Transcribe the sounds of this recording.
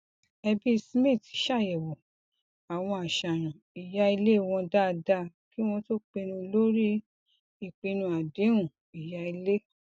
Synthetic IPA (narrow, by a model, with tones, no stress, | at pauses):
ɛ˧bi˦˧smĩ˦˨ti˨˦ʃa˦˨jɛ˨wo˨ | a˨w̃ɔ̃˧a˨ʃa˨ɾ̃ã˨ | i˨ja˦i˧le˦˨w̃ɔ̃˧da˦˧da˦ | ki˨˦w̃ɔ̃˧to˦k͡pe˧nũ˧lo˦ɾi˦ | i˦˨k͡pĩ˧nũ˧a˨dẽ˨˦ũ˨ | i˨ja˧i˧le˦